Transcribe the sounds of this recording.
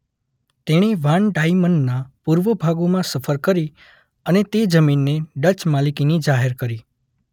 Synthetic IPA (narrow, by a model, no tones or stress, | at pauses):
t̪eɽ̃iʋaɳɖajmənɖnapuɾʋəbʱaɡomãsəfʰəɾkəɾi | ənet̪ed͡ʒəminːeɖət͡ʃmalikinid͡ʒaɦeɾkəɾi